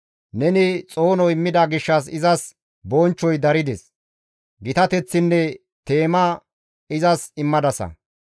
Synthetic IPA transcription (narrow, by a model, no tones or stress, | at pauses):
nɛnɪt͡sʼoːnɔɪmːɪd̪ɐɡɪʃːɐs̬ɪzɐs | bɔnt͡ʃːɔjd̪ɐɾɪd̪ɛs | ɡɪt̪ɐt̪ɛt͡sːɪnːɛ | t̪e̞ːmɐ | ɪzɐsɪmːɐd̪ɐsɐ̰